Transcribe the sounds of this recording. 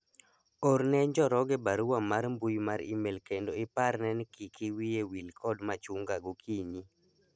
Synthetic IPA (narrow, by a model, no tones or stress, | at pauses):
oɾnɛɲd͡ʒɔɾɔɡɛbaɾuwamaɾmbujmaɾḭmelkendoɪpaɾnɛnkikʰiwiewilkʰɔdmat͡ʃuŋɡaɡokʰiɲi